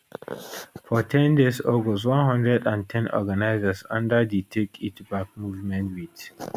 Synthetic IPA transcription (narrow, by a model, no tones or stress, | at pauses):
fɔtʰɛ̃ndesɔɡɔswʌ̃nɦʌ̃ndɹɛdãntʰɛ̃nʔɔ̰ɡanaɪzəsʌ̃ndəditʰekʰitbak̚muvmɛ̃ntwid